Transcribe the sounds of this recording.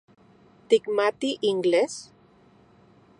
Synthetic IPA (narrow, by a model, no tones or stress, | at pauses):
t̪ikmat̪iʔiŋɡles